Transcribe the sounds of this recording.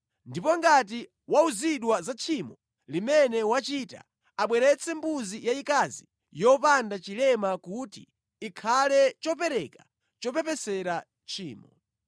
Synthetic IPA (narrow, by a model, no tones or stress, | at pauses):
ndipɔŋɡat̬i | wauziɗwazat͡ʃʰimɔ | limɛnɛwat͡ʃita̰ | aɓwɛɾɛt͡sʰɛmbuzijaikazi | jɔpandat͡ʃilɛmakutiː | kʰalɛt͡ʃɔp̬ɛɾɛka | t͡ʃɔpɛpɛsɛɾa | t͡ʃʰḭːmɔ